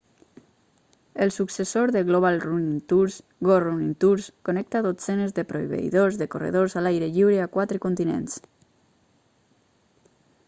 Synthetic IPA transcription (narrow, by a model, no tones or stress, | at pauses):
elˠsuksesoɾðeɣloβ̞alrunint̪uɾs | ɡorunint̪uɾskonɛk̚t̪aðot͡senezðepɾoiβḛḭðozðekorḛðozalajɾeʎiwɾeakwat̪ɾəkont̪inḛns